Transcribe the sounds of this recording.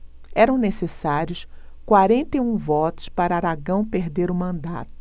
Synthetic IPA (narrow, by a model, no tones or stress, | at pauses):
ɛɾɐ̃w̃nesesaɾjʊs | kwaɾẽnt̪eũvɔt̪ʊ̥spaɾɐaɾaɡɐ̃w̃peɾd̪eɾʊmɐ̃nd̪a̰t̪ʊ̥